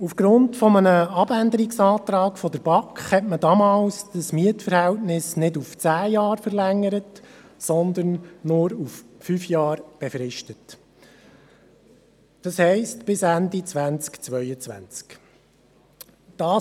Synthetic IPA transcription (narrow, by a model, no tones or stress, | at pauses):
ufɡ̥ɾʊntfɔmənəɑbænd̪əɾiksɑːtɾɑːkfɔd̥əɾb̥ɑkχhɛtmədɑmɑːlsd̥əsmiətfəɾhæltnɪsnɪduft͡sæːjɑːɾfəɾlæŋːəɾətsɔnd̪ənːʊɾuffyfjɑːɾb̥ɛfɾɪʃtət | d̥ɑshɛɪstb̥ɪsændit͡sʋænt͡skt͡sʋœʏət͡sʋæ̰nt͡sk | d̥ɑː